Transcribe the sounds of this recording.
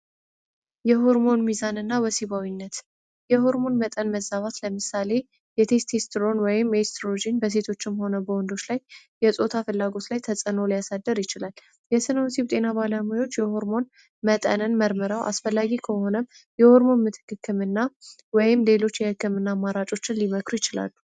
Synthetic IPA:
jɛɦo̞ɾmo̞nmizanɨnːawəsiβawinːət̪ | jɛɦo̞ɾmo̞nmət̪ʼənməzaβat̪ləmɨsale̞ | jɛt̪ʰe̞st̪ʰest̪ɾo̞nwɔjɪmjest̪ʰɾod͡ʒinbəs̬e̞t̪ʰo̞t͡ʃːɪmho̞nəbəwɔnd̪o̞t͡ʃːlajjɛsʼo̞t̪ʰafɨlːaɡo̞t̪lajt̪ʰəsʼəno̞lijasad̪ːəɾjɪt͡ʃɪlal | jɛsɨnəwsiβt̪ʼe̞naβalamujo̞t͡ʃːjɛho̞ɾmo̞n | mət̪ʼə̰nɨnməɾmɨɾawʔa̰sfəlːaɡikʰəho̞nəm | jɛho̞ɾmo̞nmɨt̪ʰɨ̥kːɨkʰːɨmɨnːa | wɔjɪmle̞lo̞t͡ʃːjɛhɨkːɨmɨnːamːaɾat͡ʃʼo̞t͡ʃːɪnliməkɾujɪt͡ʃɪla̰lːu

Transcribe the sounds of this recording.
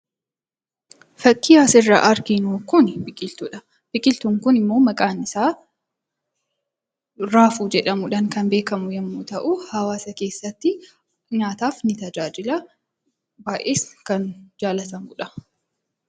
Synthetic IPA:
fɐkʼːɪjaːsɪrːɐʔɐɾɡɪnoːkʊnbɪkʼɪlt̪ʊᶑɐ | b̥ɪkʼɪlt̪uŋkʊnɪmːo̞ːmɐkʼaːnɪsaː | ɾaːfuːd͡ʒɛᶑɐmʊᶑɐŋkɐnbe̞ːkɐmʊjɛmːʊt̪ɐʔʊhɐwaːsɐke̞ːsːɐt̪ːɪ | ɲaːt̪aːfnɪt̪ɐd͡ʒaːd͡ʒɪlɐ | baːʔe̞ːskɐnd͡ʒaːlɐt̪ɐmʊᶑɐ̥

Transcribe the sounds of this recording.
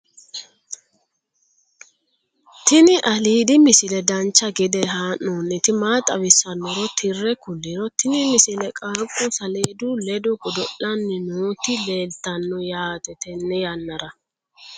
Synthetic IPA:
t̪ɪnɪʔɐliːd̪ɪmɪsɪlɛd̪ɐnt͡ʃːɐɡɪd̪ɛɦaːnːoːnːɛt̪ɪmaːt̪ʼɐwɪsːɐnːɔɾɔt̪ʰɪrːɛkʊlːɪɾɔt̪ɪnɪmɪsɪlɛkʼaːkʼːʊsɐleːd̪ʊlɛd̪ʊɡɔd̪ɔʔɐnːɪnoːt̪ɪleːlt̪ːɐnːɔjaːt̪ɛt̪ɛnːɛjɐnːɐɾɐ

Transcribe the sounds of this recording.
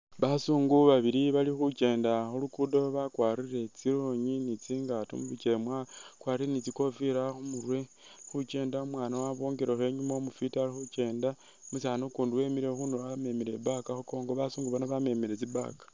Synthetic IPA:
βasuːŋɡuβaβiɾiβalixut͡ʃe̞ːndaxulukudo̞βakwaːɾiɾe̞t͡siɾoɲinit͡siːŋɡatṵmuβit͡ʃemwakwarienit͡siko̞fiɾaxumurwe̞ | xut͡ʃe̞ːndaumwaːnawaβoːŋɡeɾexe̞ɲumaomufitalixut͡ʃe̞ːnda | musanukuːnduwe̞miɾe̞xunoβame̞miɾe̞bakaxuko̞ːŋɡo̞βasuːŋɡuβanoβame̞miɾet͡siba̰kḁ

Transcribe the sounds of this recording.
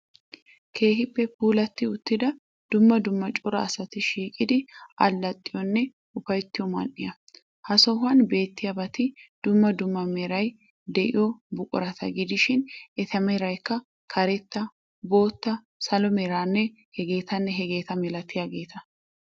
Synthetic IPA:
kʰe̞ːɦɪpːɛpuːlɐt̪ːɪʊt̪ːɪd̪ɐ | d̪̥ʊmːɐd̪ʊmːɐt͡ʃʼɔɾɐːsɐt̪ɪʃiːkʼɪd̪ɪʔɐlːɐt̪ʼːɪjɔnːɛ | ʊfɐjt̪ːɪjɔmɐ̰nʔːɪjɐ | hɐsɔɦɐnbe̞ːt̪ːɪjɐbɐt̪ɪd̪̥ʊmːɐd̪ʊmːɐmɛɾɐj | d̪ɛʔɪ̰jɔbʊkʼʊ̰ɾɐt̪ʰɐ̰ɡɪd̪ɪʃɪnʔɛt̪ʰɐmɛɾɐjkːɐ | kʰɐɾɛt̪ːɐ | bo̞ːt̪ːɐ | sɐlɔmɛɾaːnːɛ | hɛɡe̞ːt̪ɐnːɛɦɛɡe̞ːt̪ɐmɛlɐt̪ːɪjaɡe̞ːt̪ɐ

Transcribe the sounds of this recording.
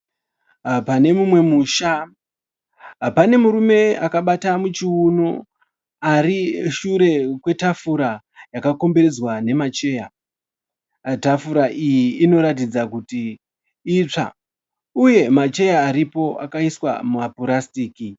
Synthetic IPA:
ɦapane̞mumwe̞muʃa | ɦapane̞muɾume̞akaɓatamut͡ʃiuno | ariʃuɾe̞kwe̞tafuɾa | jakako̞mbe̞ɾe̞d͡zwane̞mat͡ʃe̞ːja | tafuɾaʔijiːno̞ɾat̬id͡zakuti | it͡ʂa̰ | uje̞mat͡ʃe̞jaːɾipo̞ʔa̰kaiswa̰mumapuɾastiːki

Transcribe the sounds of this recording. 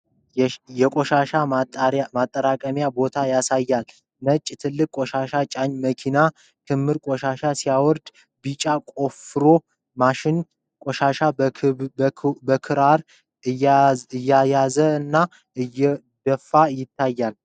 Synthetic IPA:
jɛkʼoʃaʃatmat̪ʼːəɾakʼəmjabo̞t̪ʰajasajːal | nət͡ʃʼːt̪ʰɨlːɨkʼkʼoʃaʃat͡ʃʼaɲməkʰina | kʰɨmːɨɾkʼoʃaʃasijawɔɾd̪ | bit͡ʃʼakʼo̞fɨɾo̞ | maʃɪn | kʼoʃaʃa | bəkʰɨɾaɾ | ɨɨjːajazəɨnːa | ɨjːɛ | d̪̥əfːajɪt̪ʰːajːal

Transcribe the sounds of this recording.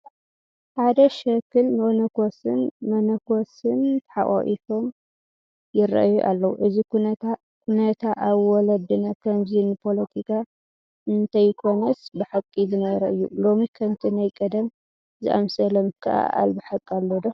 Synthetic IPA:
ħad̪ɐʃɐkʰːɨnmɨʔonɐkʰosɨnmɐnɐkosɨnt̪ʰħaʔʼa̰ʔḭt̪ʰo̞m | jɪɾɐ̰ʔajuʔa̰lːɐwuʔɨzikua | kʰunɐt̪ʰaʔaβwɔlɐd̪ɨnɐkʰɐmzinɨpʰo̞lɐt̪ʰikʰa | ɨnt̪ʰɐjkʰo̞nɐsbɨħakʼizɨnɐβɐɾɐʔɨjːṵlo̞mikʰɐmt̪ʰinajkʼɐd̪ɐm | zɨ̰ʔa̰msɐlɐmkʰɨʔa̰ʔa̰lbɨħakʼːalːod̪o

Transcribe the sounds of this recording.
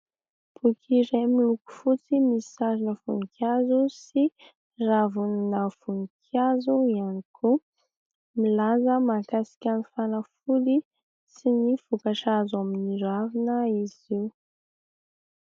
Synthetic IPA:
pukʰiɾemiluku̥fut͡simisaɾinəfuŋikjazusi | ravunnafuŋkʰazuianiku | milazəmakasi̥kʲanifanəfuli | sinifukaʃazaminiɾavinəiziu

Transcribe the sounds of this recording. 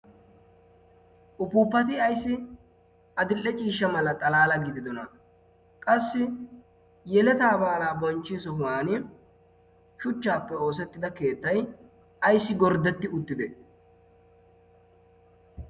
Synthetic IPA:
ʔʊpuːpːɐt̪ɪɐjsːɪ | ʔɐd̪ɪlʔːɛt͡ʃʼiːʃːɐmɐlɐt̪ʼɐlaːlɐɡɪd̪ɪd̪ɔnɐ | kʼɐsːɪ | jɛlɛt̪aːbaːlaːbɔnt͡ʃːɪsɔɦʊwaːnɪ | ʃʊt͡ʃːaːpːɛo̞ːs̬ɛt̪ːɪd̪ɐke̞ːt̪ːɐj | ɐjsːɪɡɔɾd̪ɛt̪ːɪʊt̪ːɪd̪ɛ

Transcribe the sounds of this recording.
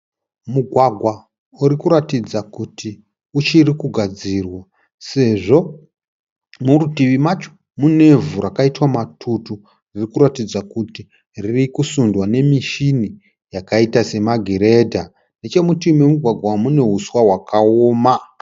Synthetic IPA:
muɡʱwaɡʱwa | uɾikuɾatid͡zakuti | ut͡ʃirikuɡʱad͡ziːrwa | se̞ʐo̞ | muɾutiʋimat͡ʃo̥ | mune̞vuɾakaitwamatʰutu | ririkuɾatid͡zakuti | ririkusundwane̞miʃini | jakaitase̞maɡʱeɾe̞dʱa | ndet͡ʃe̞mutimwemuɡʱwaɡʱwamune̞ɦuswaɦwakaoːma

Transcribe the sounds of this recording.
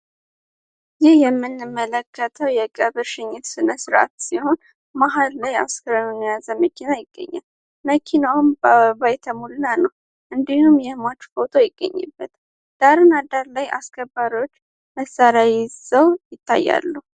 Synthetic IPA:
zɪhjɛmːɨnːɨmːələkʰːət̪ʰəwjɛkʼəβɨɾʃɪɲːɪt̪sɨnəsɾa̰t̪siho̞n | maɦallaja̰skʰəɾənonijazəməkʰinajɪɡ̥ːə̰ɲːa̰l | məkʰinawmbəβajt̪ʰəmulnanəw | ʔɨnd̪ihumjɛhmat͡ʃːfot̪ʰojɪɡːə̰ɲːɨ̰bːət̪ | d̪̥aɾɨnad̪aɾlajʔa̰skʰəbːaɾiwot͡ʃː | məsaɾjajɪzəwjɪt̪ʰːa̰jːa̰lːu

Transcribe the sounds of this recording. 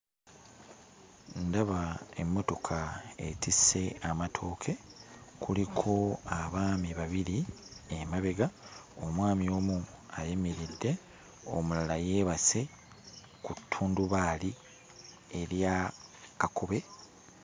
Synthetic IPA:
ndaβae̞mːo̞to̞kʰaḛtise̞amatʰo̞ːkʰe̞kulikʰo̞aβaːmiβaβiɾiemaβe̞ɡaomwaːmio̞ːmuajemiɾidːe̞ | o̰mulalajeːβase̞ | kutʰːuːnduβaːli | eɾjakakoβe̞

